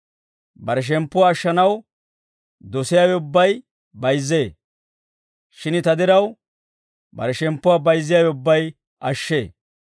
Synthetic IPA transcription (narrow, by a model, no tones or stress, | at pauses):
bɐɾɛʃ̬ɛmpːʊwaːʃːɐnɐw | d̪ɔsɪjaːwɛʊbːɐj | bɐjzːeː | ʃɪnt̪ɐd̪ɪɾɐw | bɐ̰ɾɛʃɛmpːʊwaːbɐjzːɪjaːwɛʊbːɐj | ʔɐʃːḛː